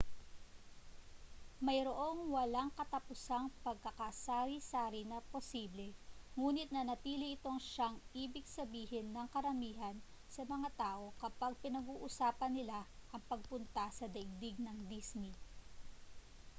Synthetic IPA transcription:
mɐjɾoʔo̞ŋwɐlaŋkɐt̪ɐpʊsaŋpɐɡ̚kɐkasaːɾisaːɾinɐposiːblɛŋuːnɪt̪̚nɐnɐt̪iːlɪʔɪt̪o̞ŋʃaŋʔiːbɪɡ̚sɐbiːhɪnːɐŋkɐɾɐmiːɦɐn | sɐmɐŋat̪aːʔo̞kɐpaɡ̚pɪnɐɡuːʔʊsaːpɐnːɪlaʔɐŋpɐɡ̚pʊnt̪ɐsɐd̪ɐɡ̚d̪ɪɡ̚nɐŋd̪ismi

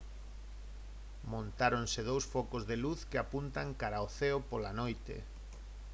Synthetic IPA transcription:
mõnt̪aɾonseð̞owsfɔkozðeluθkɪapunt̪aŋkaɾaoθeopolanojt̪ḛ

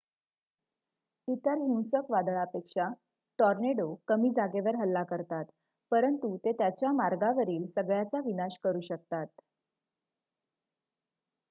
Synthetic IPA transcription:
it̪əɾɦiw̃səkʋad̪əɭapekʂa | ʈɔɾneɽokəmiːd͡zaɡeʋəɾɦəlːakəɾt̪at̪ | pəɾənt̪ut̪et̪jat͡ɕjamaɾɡaʋəɾiːlsəɡɭjat͡saʋinaɕkəɾuːɕək̚t̪at̪̚

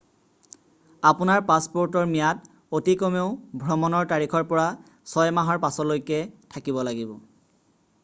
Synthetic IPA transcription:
apʊnaɹpaspoɹtɔɹmijat | otikɔmeʊbʱɹɔmɔnɔɹtaɹikʰɔɹpɔɹa | sɔjmaɦɔɹpasɔlojkɛtʰakibɔlaɡibɔ

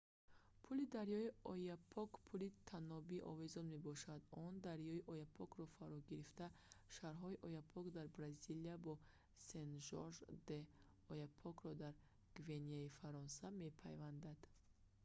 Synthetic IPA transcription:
pʰulid̪aɾjɔiɔjapʰɔkpʰulit̪ʰanɔbiʔɔ̰vezɔnme̞bɔʃad̪ɔnd̪aɾjɔiʔɔjapʰɔkɾɔfaɾɔɡiɾift̪aʃaɾɦɔiʔɔjapʰɔkd̪aɾbɾaziliabɔ | senʒɔɾʒd̪e | ɔjapʰɔkɾɔd̪aɾ | ɡ̥veniaifaɾɔnsame̞pʰajvand̪ad̪

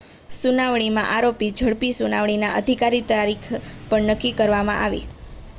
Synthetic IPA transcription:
sunaʋɳ̃imã̰ʔaɾopid͡ʒʱəɽpisunaʋɳ̃inaʔəd̪ʱikaɾit̪aɾikʰpəɳnəkːikəɾʋamã̰ʔaʋḭ

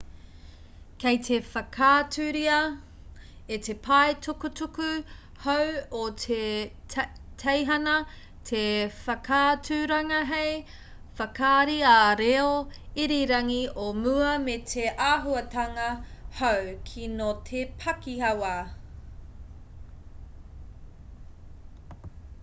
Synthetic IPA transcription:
kejt̪ʰe̞fɐkʰaːtʉɾiɐ | etepʰɐetʰukutuku | howotʰe | tʰejɦɐnɐ | tʰefɐkʰaːtʰʉɾɐŋɐɦej | fɐkʰaːɾiaɾeoiɾiɾɐŋiomuɐmetʰeʔaːɦuɐtɐŋɐhowkʰinotʰepʰɐkihɐwa

